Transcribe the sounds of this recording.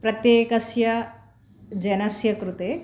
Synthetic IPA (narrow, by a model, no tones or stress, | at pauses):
pɾɐt̪jeːkɐsjɐ | d͡ʒɐnɐsjɐkɾut̪eː